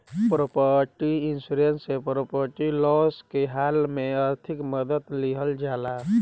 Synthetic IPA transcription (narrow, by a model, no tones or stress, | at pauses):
pɾopəʈiɪnsuɾensepɾopəɾʈilɔskeɦaːlmẽəɾt̪ʰɪkməd̪ət̪liɦəld͡ʒaːla